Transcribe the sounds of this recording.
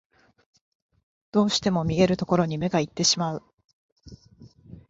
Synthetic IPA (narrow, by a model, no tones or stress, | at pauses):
d̪̥o̞ːɕi̥t̪e̞mo̞mʲie̞ɾɯ̟t̪o̞ko̞ɾo̞ɲ̟ime̞ɡait̪ːe̞ɕimaɯ̟